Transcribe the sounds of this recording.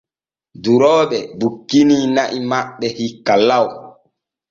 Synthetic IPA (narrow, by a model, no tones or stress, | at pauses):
duɾɔːɓɛbukːiniːnaʔimaɓːɛhikːalːaw